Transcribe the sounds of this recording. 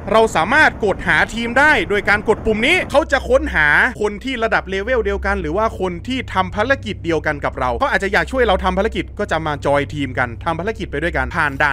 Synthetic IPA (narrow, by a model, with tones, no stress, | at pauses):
ɾa˧wsaː˩˦maː˥˩t̪̚ko˨˩t̪̚haː˩˦t̪ʰiː˧mdaː˥˩jdoː˧jkaː˧nko˨˩t̪̚pu˨˩mniː˦˥kʰa˦˥wt͡ɕa˨˩kʰo˦˥nɦaː˩˦kʰo˧nt̪ʰiː˥˩ɾa˧da˨˩p̚leː˧weː˥˩wdi˧əwka˧nɾɯː˩˦waː˥˩kʰo˧nt̪ʰiː˥˩t̪ʰa˧mpʰa˦˥ɾa˦˥ki˨˩di˧əwka˧nka˨˩p̚ɾa˧wa˦˥wʔaː˨˩t̪̚t͡ɕa˨˩jaː˨˩k̚t͡ɕʰu˥˩əjɾa˧wt̪ʰa˧mpʰa˦˥˦a˦˥k̬i˨˩t̪̚kɔː˥˩t͡ɕa˨˩maː˧t͡ɕɔː˧jt̪ʰiː˧mka˧nt̪ʰa˧mpʰa˦˥ɾa˦˥ki˨˩t̪̚pa˧jdu˥˩əjka˧npʰaː˨˩ndaː˧˩